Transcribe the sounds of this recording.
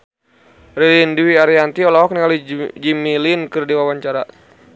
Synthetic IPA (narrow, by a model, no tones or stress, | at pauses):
rilindiwiaɾiant̪iɔlaɔk̚niŋalid͡ʒimilinkɨrdiwawaɲt͡ʃaɾa